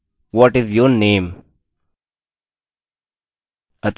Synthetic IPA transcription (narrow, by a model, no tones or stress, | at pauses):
wɔʈɪzjɔnẽːm | ət̪